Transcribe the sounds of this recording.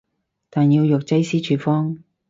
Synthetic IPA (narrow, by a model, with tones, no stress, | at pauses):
t̪aː˨njiː˧wjʊ˨k̚t͡sɐ˥jsiː˥t͡ʃʰyː˨˧fɔː˥ŋ